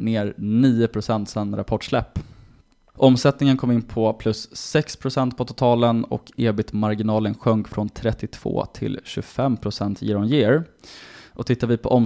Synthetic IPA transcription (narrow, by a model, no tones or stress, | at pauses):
neːɾniːʊpʰɾʊsɛnt̪sɛnɾapʰɔʈʂlɛpː | ʔɔmsɛt̪nɪŋənkʰɔmːɪnːpʰɔpʰlɵsːɛkspʰɾʊsɛnt̪̚pʰɔt̪ʰʊ̥t̪ʰɑːlənɔ̰keːbɪt̪maɾɡɪnɑːlənɧœŋkfɾɔnt̪ʰɾɛt̪ːɪt̪ʰv̥o̰ːt̪ʰɪ̰lɕɵ̰fɛmːpʰɾʊsɛnt̪ʰjɪ̰ɾɔnjeːɾ | ʔɔt̪ʰɪt̪ːaɾvɪpʰɔʔɔm